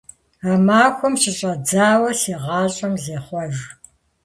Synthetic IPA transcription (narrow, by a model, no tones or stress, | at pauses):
aːmaːxʷɔmʃɪɕʼɐd͡zaːwɐseːʁɑːɕʼɐmzeːχʷɔʒ